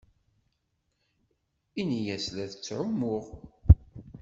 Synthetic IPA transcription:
inijæslæðət͡sːʕʊmʊʁ

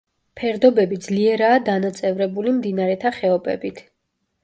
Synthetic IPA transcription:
pʰɛɾd̪ɔbɛbid̪zliɛɾaːd̪anat̪sʼɛvɾɛbulimd̪inaɾɛt̪ʰaχɛɔbɛ̰bit̪ʰ

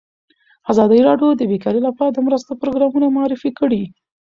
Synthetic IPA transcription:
azɑd̪əjiɾɑɖjod̪əbekɑɾilapɑɾad̪əmɾəst̪opɾoɡɾɑmunamʊɑɾɪfikəɽi

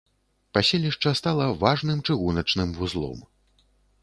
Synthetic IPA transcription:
pasʲelʲiʂt͡ʂɐst̪alˠɐvaʐnɨmt͡ʂɨɣunɐt͡ʂnɨmvuzlˠɔ̰m

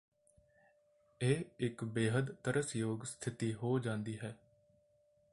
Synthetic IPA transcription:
eːɪkbeːɦəd̪t̪əɾəsjoːɡst̪ʰɪt̪iːɦoːd͡ʒãːnd̪iːɦɛː

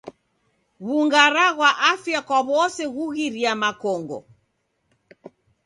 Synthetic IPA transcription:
ɣuŋɡaɾaɣwaʔafjakwaβɔsɛɣuɣiɾiamakɔŋɡɔ̰

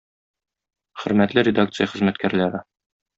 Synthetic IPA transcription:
χɵ̆ɾmæt̪lɘɾʲɪd̪ak̚t̪sɨjəχɘ̆zmæt̪kæɾlæɾɘ

